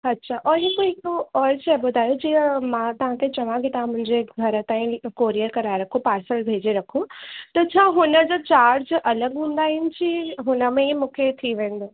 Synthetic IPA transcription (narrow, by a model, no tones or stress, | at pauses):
ɐtːɕʰaʔɔːɾikooɔːɾt͡ɕɛbʊd̪ʱaːjod͡ʑiːəmãt̪ɐʋ̤ãkʰet͡ɕɐʋãkit̪ɐʋ̤ãmʊ̃ɦɪ̃ɲd͡ʑeɡʱɐɾət̪ãːĩkoːɾiəɾkɐɾaːeɾɐkʰupaːɾsəlbʱeːd͡ʑeɾɐkʰũt̪ɐt͡ɕʰaːɦʊnəd͡ʑoːt͡ɕaːɾd͡ʑʔɐləɡɦũːn̆d̪aːɦɪnɪ̆t͡ɕʰiɦʊnə̆mẽmũːkʰet̪ʰiʋẽːnd̪oː